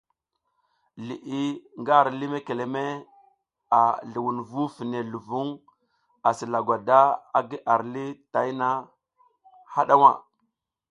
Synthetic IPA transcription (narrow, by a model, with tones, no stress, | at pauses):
lḭ˨ʔi˦ŋɡa˦˨ɾli˦me˦ke˨le˨me˦ | a˨ɮi˨wu˨nvu˦fi˨ne˨lu˨vu˦ŋ | a˨si˨la˨ɡwa˨da˦a˨ɡi˦ʔa˨ɾli˦ta˨i˦na˦ | ha˦ɗa˦wa˨